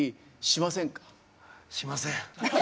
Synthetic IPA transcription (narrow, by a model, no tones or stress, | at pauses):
iɕimasẽ̞ŋkḁ | ɕimasẽ